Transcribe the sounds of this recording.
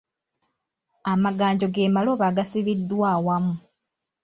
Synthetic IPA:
amaɡaːɲɟo̞ɡe̞ːmaloβaɡasiβidːwaːwamu

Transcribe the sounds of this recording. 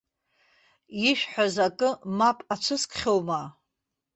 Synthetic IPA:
iʃᶣħʷᶣazakʼɨmapʼat͡ʃʷʰɨskʰʼχʲowma

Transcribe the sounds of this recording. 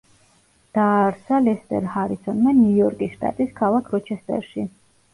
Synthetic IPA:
d̪̥aːɾsalɛst̪ʼɛ̰ɾhaɾisɔnmanjujɔɾkʼisʃt̪ʼa̰t̪ʼiskʰalˠakʰɾɔt͡ʃʰɛst̪ʼɛ̰ɾʃi

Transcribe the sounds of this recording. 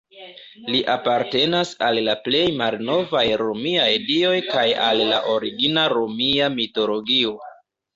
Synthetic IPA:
liʔapaɾte̞nasalːaple̞jmalno̞vajɾomiajdio̞jkajalla̰ʔo̞ɾiɡinaɾomiamito̞lo̞ɡio̞

